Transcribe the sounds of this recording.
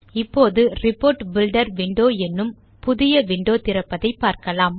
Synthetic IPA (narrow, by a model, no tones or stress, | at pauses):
ɪpːoːðɯɾɪpːoːɾʈbɪlɖɐɾʋɪɳɖoːɛnːɯm | pʊðɪjɐʋɪɳɖoːt̪ɪɾɐpːɐðɐɪpːaːɾkɐlaːm